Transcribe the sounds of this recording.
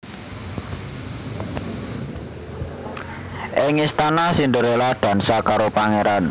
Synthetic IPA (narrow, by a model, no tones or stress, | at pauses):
ʔɪŋist̪anasind̪əɾelad̪̥ä̤nsakaɾopaŋeɾan